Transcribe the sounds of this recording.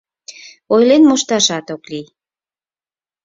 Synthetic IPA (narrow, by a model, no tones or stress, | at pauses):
ojlenmoʃt̪ɑʃɑt̪oklij